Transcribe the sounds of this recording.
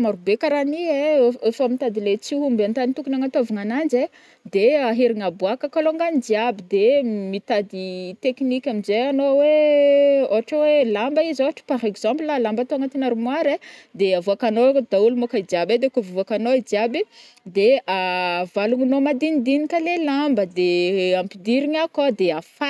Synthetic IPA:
maɾubekaɾanieefamit̪ad̪ilet͡siɦumbant̪anit̪ukunaŋat̪ovuŋanand͡ʒe | d̪eaɦiɾiŋabwakəkaloŋɡanid͡ʒiabid̪emit̪ad̪it̪eknikʲamizejanowe | oɦaʈ͡ʂawelambaizoaʈ͡ʂə̥paɾekzãmplalambat̪oaŋat̪enaɾumwaɾed̪eavoakanowed̪aulumokaid͡ʒiabed̪ekuvvakanoad͡ʒiabi | d̪eavaluŋinomad̪inid̪inikalelambəd̪eãmpid̪iɾiɲakad̪eafa

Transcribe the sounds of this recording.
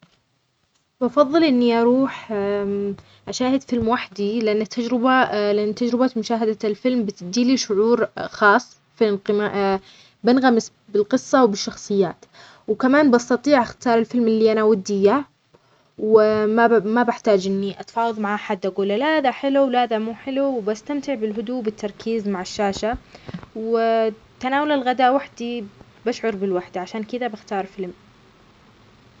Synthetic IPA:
bɑfɑðˤːɨlʔɪnːiʔɑɾˤuːħ | ʔaʃaːhɪd̪fɪlmwaħd̪ilɪʔanːat̪ʰːad͡ʒɾɪbalɪʔanːt̪ːad͡ʒɾɪbamʊʃaːɦad̪alfɪlmbɪt̪d̪iːliʃʊʕuːɾxɑːsˤː | finqɪma | bɪnɣamɪs | bɪlqɨsˤːɑwbɪʃːɑxsˤɨjːaːt̪ | wkamaːnbʔɑst̪ɑt̪ˤiːʕʔaxt̪ɑːɾˤɪlfɪlmɪlːiːʔanawad̪ːɪjːa | wamabɪħt̪aːd͡ʒʔɪnːiʔat̪fɑːwɑðˤmaʕʔaħad̪ʔaɡuːlːalaðaħɪluwlhaːðamuːħɪluwbast̪amt̪ɪʕbɪlɦʊd̪uːbɪt̪ʰːɑɾˤkʰiːzmaʕɪʃːaːʃaw | t̪anaːwalalɣad̪aːʔwaħd̪i | baʃʕʊɾˤbɪlwaħd̪aʕaʃaːnkɪd̪abɪxt̪ɑːɾˤfɪlm

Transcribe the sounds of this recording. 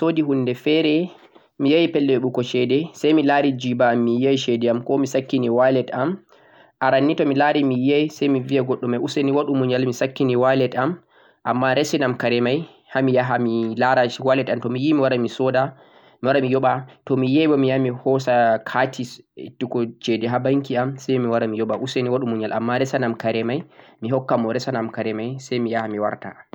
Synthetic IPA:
sodiɦunːdɛfɛɾɛ | mijajipɛlːɛɛɓukɔʃɛdɛsajmilaɾid͡ʒibamːijajʃɛdɛamkɔmisakːiniwalɛtam | ʔaɾanːitɔmilaɾimijajisajmivijaɡɔɗːɔmajʔuseniwaɗumuɲalmisakːiniwalɛtam | ʔamːaɾesinamkaɾɛmaj | hamijaɦamilaɾat͡ʃiwalɛtamtɔmijimiwaɾamisɔda | miwaɾamijɔɓatɔmijɛjbɔmijamihɔsakʰatʰistːikɔt͡ʃedɛɦabaŋkiamsɛjmiwaɾamijɔɓaʔuseniwaɗumuɲalʔamːaɾɛsanamkaɾɛmajmiɦɔkːamɔɾɛsanamkaɾɛmajsɛjmijahamiwa̰ɾta̰

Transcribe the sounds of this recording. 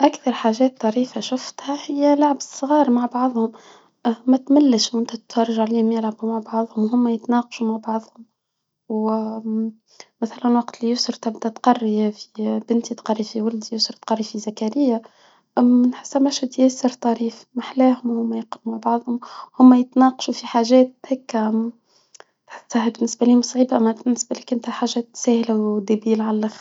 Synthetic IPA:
ʔakθɑɾˤħaːʒɛːt̪ˤːɑɾiːfaʃʊft̪hæhɪjːælʊʕabəsˤɣɑːɾmaʕbɑʕðˤhʊm | mæt̪malːəʃmʊnt̪æt̪fɑrˤːɑʒʕaliːhʊmjɪlʕabumaʕbɑʕðˤhʊmwɦʊmːæjət̪nɑːqɑ̥ʃumaʕbɑʕðˤhʊm | w | mæθælænwɑqt̪lijʊsɾˤt̪ɪbd̪æt̪qɑrːifi̥bɪnt̪it̪qɑrˤːifiwald̪ijʊsɾt̪qɑrˤːifizakaɾɪjːa | mɪnħɪ̥sːæmæʃæt̪jæsəɾt̪ˤɑɾiːfmaħlæːɦʊmhʊmːæjəqlumaʕbɑʕðˤhʊmhʊmːæjət̪nɑːqɑ̥ʃufiħaːʒɛːt̪̚hɪkː | t̪ħahbɪnːɪsbæliːhʊmsˤʕiːbʔæmːæbɪnːɪsbæliːkːʔɪnt̪hæħaːʒːɛt̪sɛːhlawd̪æbiːlʕallax

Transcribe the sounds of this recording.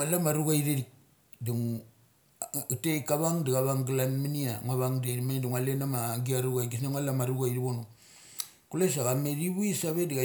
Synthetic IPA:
alamaɾuɡaiɾeɾik̚ | duŋ | utekaβaŋdiɡaβaŋɡlanminiaŋaβaŋdeɾimaduŋalenamaɡiaɾuɡajɡisnaŋalamaɾuɡaiɾiβonu | kules̬aɣameɾiβuisaβediɡa

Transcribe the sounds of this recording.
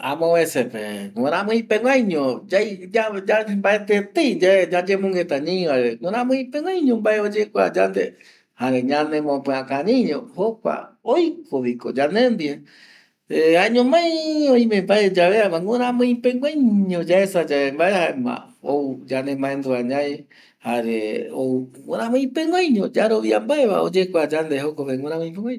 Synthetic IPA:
ã̰mõβẽsepḛŋõɾãmɨ̃ĩpẽŋɡʷãjɲõd͡ʒajd͡ʒad͡ʒambaet̪et̪ed͡ʒaed͡ʒad͡ʒemõŋɡet̪aɲĩĩʋaeβeŋõɾãmɨ̃ĩpẽŋʷãjɲõmbaeod͡ʒekʷa̰d͡ʒand̪e | haɾẽɲãnẽmõpɨ̃ãkãɾĩɲõhokʷa̰ojkoβikod͡ʒanẽnd̪ie | eaɲõmãjõj̃mẽmbaed͡ʒaβeamãŋʷõɾ̃ãmɨ̃ĩpẽŋɡʷẽjɲõd͡ʒaesad͡ʒaembaehaemã̰ | oud͡ʒanẽmbãend̪uaɲãe | haɾeouŋõɾãmɨ̃ĩpẽŋʷãjɲõd͡ʒaɾoʋia̰mbaeβa̰o̰d͡ʒekʷad͡ʒand̪ehokoβeŋõɾãmõj̃pẽŋɡʷãɲ

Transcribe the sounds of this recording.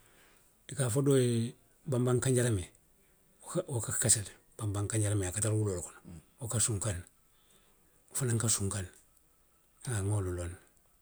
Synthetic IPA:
dikafodoje | bambaŋkaɲɟaɾame | wokakkasal | b̥ambaŋkaɲɟaɾameakatalwulolkunwokasuŋkan | falaŋkasuŋkan | ŋaŋolulon

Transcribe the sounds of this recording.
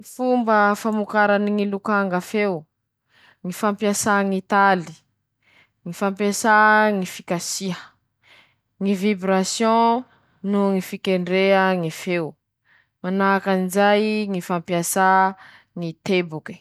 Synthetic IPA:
ifumbəfamukaɾaniŋilukaŋɡəfew | ŋifãmpiasaŋit̪ali̥ | ŋifãmpjasaŋifi̥kasiə | ŋivibɾasjɔ̃ | nuŋifikeɳɖ͡ʐeəŋifew | manakanizajŋifãmpiasa | ŋit̪ebuki̥

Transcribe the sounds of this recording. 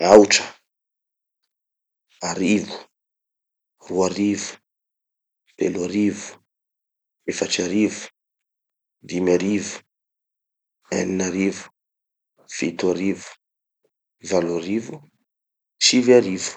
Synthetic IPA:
awʈ͡ʂə̥ | aɾivu̥ | ruaɾivu̥ | pelaɾivu̥ | efaʈ͡ʂaɾivu̥ | d̪imaɾivu̥ | ɛninaɾivu̥ | fit̪uaɾivu̥ | valaɾivu | t͡ʃiviaɾivu̥

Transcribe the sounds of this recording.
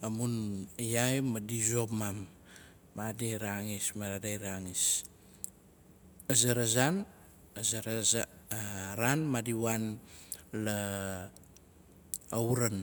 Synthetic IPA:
amunjajmadizopmamː | adeɾaŋismaɾadajɾaŋis | azaɾazan | azaɾaa | ɾanmadiwan | la | auɾan

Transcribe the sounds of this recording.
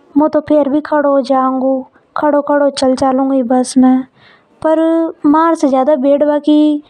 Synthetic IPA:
mũːt̪õːpʰeːɾbiːkʰəɽoːd͡ʒãːŋɡoː | kʰəɽoːkʰəɽoːt͡ʃəlt͡ʃaːlũːɡiːbəsmɛ̃ː | pəɾmaːɾsed͡ʒjaːd̪aːbeːɽbaːkiː

